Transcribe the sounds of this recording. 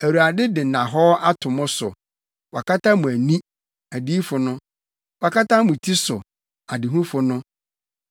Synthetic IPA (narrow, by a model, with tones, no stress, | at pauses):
æ˨wu˨a˨dɪ˦dɪ˨nã˨ɦɔ˦a˦tʰʊ̃˨mʊ̃˦sʊ̰˨ | wa˨kʰa˦tʰa˦mũ˨æ˨nĩ˦ | æ˨di˦fʊ˨nʊ̃˦ | wa˨kʰa˦tʰa˦mʊ̃˨tʰi˦sʊ̰˨ | a˨dɪ˨ɦũ˦fʊ˨nʊ̃˦